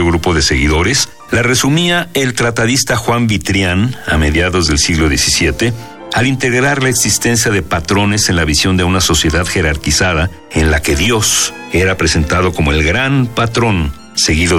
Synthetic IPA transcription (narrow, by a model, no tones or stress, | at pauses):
oɣɾupo̞ðe̞se̞ɣiðo̞ɾes | lare̞sumiae̞lt̪ɾat̪aðist̪axwambit̪ɾjana̰me̞ðjaðo̞zðe̞lsiɣlo̞ðje̞sisjet̪e̞ | alint̪e̞ɣɾaɾlaeksist̪e̞nsjaðe̞pat̪ɾo̞ne̞se̞nlaβisjo̞nd̪e̞unaso̞sje̞ðaðxe̞ɾaɾkisaða | e̞nlake̞ðjo̞s | e̞ɾapɾe̞se̞nt̪aðo̞ko̞mo̞e̞lɣɾanpat̪ɾo̞n | se̞ɣiðo